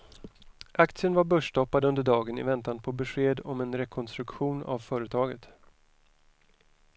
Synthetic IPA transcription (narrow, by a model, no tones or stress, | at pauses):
ʔakt̪sɪənvaɾbœʂɖɔpːad̪əɵnd̪əɖɑːɡənɪ̰vɛnt̪anpʰɔbɛɧeːd̪ɔmɛnɾɛkʰɔnst̪ɾɵkɧuːna̰vfœːɾət̪ʰɑːɡət̪